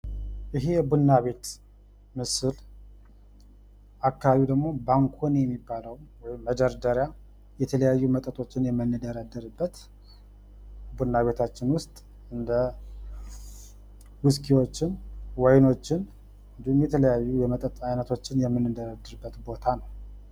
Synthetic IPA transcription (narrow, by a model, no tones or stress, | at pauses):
ʔɨɦejɛbunːaβe̞t̪ | mɨsɨl | akːaβaβid̪əɡmo̞baŋkʰonjɛmːibːaləwwɔjɪmːəd͡ʒəɾd̪əɾja | jɛt̪ʰələjajːumət̪ʼət̪ʰʼo̞t͡ʃːɪnjɛmːɨnːɨd̪əɾad̪ːɨɾɨbːət̪ | bunːaβe̞t̪ʰat͡ʃːɪnwʊst̪ʼ | ɨnd̪ə | wʊskʰiwo̞t͡ʃːɪnwajno̞t͡ʃːɪn | ɨnd̪ihumjɛt̪ʰələjajːujɛmət̪ʼət̪ʼajnət̪ʰo̞t͡ʃːɪnjɛmːɨnːɨd̪əɾad̪ːɨɾbːət̪bo̞t̪ʰanəw